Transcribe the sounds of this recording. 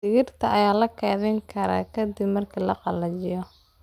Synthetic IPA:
ɪɣɪrt̪ʰɐʔɐjaːlɐkʰɛːðɪŋkʰɐɾa̰ːkʰɐd̪ibmɐrkʰiːlɐqɑlɐt͡ʃɪjɔ

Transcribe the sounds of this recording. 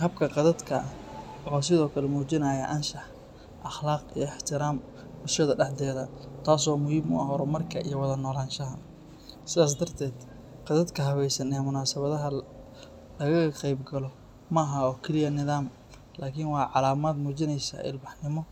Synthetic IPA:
hɐb̚kʰɐqɑðɐd̪kʰɐʔɔːs̬ɪðɔːkʰɐlɛmuːt͡ʃɪnaːjɐʔɐnʃɑħ | ʔɐχlaːqḭjɔɪħt̪ʰɪɾaːm | bʊʃɐðɐɖɑħd̪ɛːðɐt̪ʰaːsɔːmʊhiːbmʊ̰ɐɦɔɾɔmɐrkʰɐʔḭjɔwɑðɐnɔːlaːnʃɐɦɐ | sɪðaːs̬d̪ɐrt̪ʰɛːd̪ | qɑðɐd̪kʰɐɦɐβɛjsɐnɛmʊnaːsɐβɐðɐɦɐ | lɐɣɐɣɐqɛjbɡɐlɔ | mɐːɦaɔːkʰɪlɪjɐnɪðaːm | laːkʰɪnwɑːʕɑlaːmaːd̪muːt͡ʃɪnɛjsɐ̰ʔɪ̰lbɑħnɪmɔ

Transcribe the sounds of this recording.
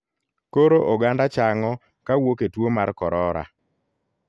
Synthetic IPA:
koɾoʔoɡandat͡ʃaŋɔ | kawoketwomarkɔɾɔɾa̰

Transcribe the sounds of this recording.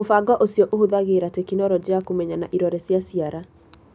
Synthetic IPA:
ofaɡɔʔosjɔʔohoðaɣeɾatɛkinɔɾɔd͡ʒiakomɛɲanaʔiɾɔɾɛsjasiaɾa

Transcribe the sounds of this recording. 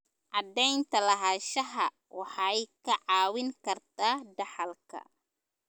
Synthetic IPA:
ʔɑd̪ɛjnt̪ʰɐlɐɦaːʃɐɦɐ | wɑħɑjkʰɐʕɑːwɪŋkʰɐrt̪ʰaːɖɐħɑlkʰɐ̰

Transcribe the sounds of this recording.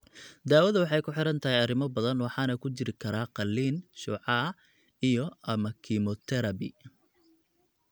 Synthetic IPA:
d̪aːwɐðɐwɑħɑjkʰʊħɪɾɐnt̪ʰɐɦɛjɐrɪmɔbɐðɐnwɑħɑːnɐkʰʊt͡ʃɪɾɪkʰɐɾaːqɑlːiːnʃɔːʕɑː | ijɔʔɐmɐkʰimɔt̪ʰɛɾɐbɪ̰

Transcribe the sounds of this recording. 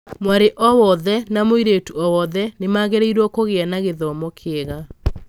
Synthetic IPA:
mwaɾeʔɔwɔðɛnamoiɾetuɔwɔðɛnemaɣeɾeiɾwɔkoɣeanaɣeðɔmɔkʰeeɣa

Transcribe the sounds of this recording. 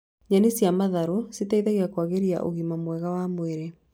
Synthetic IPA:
ɲanisjamaðaɾosetaiðaɣiakwaɣeɾia̰ʔo̰ɣimamwɛɣawamweɾe

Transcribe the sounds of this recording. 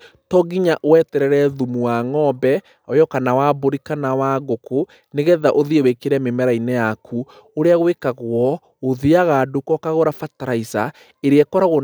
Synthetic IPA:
tɔɡiɲaʔowɛtɛɾɛɾɛðumuwaŋɔbɛ | ajɔkanawaboɾikanawaɣoko | neɣɛðaʔoðiewekeɾɛmemɛɾainɛjakʰu | oɾeaɣwekaɣwɔ | oðiaɣadokɔkaɣoɾafataɾaisa | eɾeɛkɔɾaɣo

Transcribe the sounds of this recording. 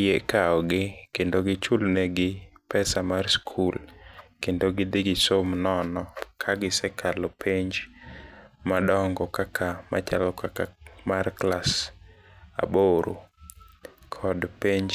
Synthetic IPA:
jekaɔɡɪkendoɡɪt͡ʃulnɛɡɪpɛsamarskʰulkendoɡɪdɪɡɪsomnɔnɔkʰaɡɪsɛkʰalɔpʰeɲd͡ʒ | madɔŋɡɔkakʰama̰t͡ʃalɔkʰakamarklas | a̰boɾo̰ | kʰɔdpeɲd͡ʒ

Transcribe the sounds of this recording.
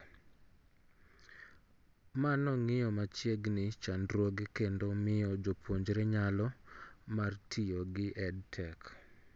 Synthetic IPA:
manɔŋɪjɔmat͡ʃjeɡnɪt͡ʃandɾwoɡekendomɪjɔd͡ʒopʰoɲd͡ʒɾeɲalɔmartʰɪjɔɡɪʔɛdtʰɛk

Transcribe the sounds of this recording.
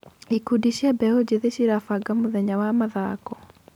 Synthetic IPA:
ikudiʃjabɛod͡ʑeðeʃiɾafaɡamoðɛɲawamaðakɔ

